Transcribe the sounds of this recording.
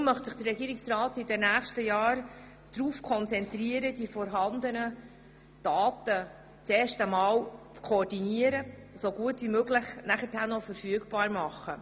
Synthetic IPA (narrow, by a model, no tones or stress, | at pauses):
mœχtsəχd̥ərːɛɡiːɾɪksrɑːtidɛnæːχʃtəjɑːɾ | d̥ɾuːfkʰɔnt͡sɛntriəɾəd̥ifɔɾɦɑnd̪ənə | d̥ɑːt̪ə | t͡seːʃtəmɑːwt͡skʰoːɾdiniəɾəsoɡuətʋimøɡlɪχnæχəthænɔfəɾfyəɡb̥ɑːɾmɑχə